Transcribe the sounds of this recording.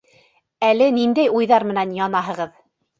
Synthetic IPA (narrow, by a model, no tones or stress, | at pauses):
ælɘnind̪æjujðɑɾmɘ̆nænjɑnɑɦɤ̆ʁɤð